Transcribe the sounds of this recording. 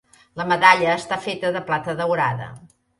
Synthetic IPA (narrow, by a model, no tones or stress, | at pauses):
ləməðaʎəːst̪afet̪əðəplat̪əðəwɾaðə̰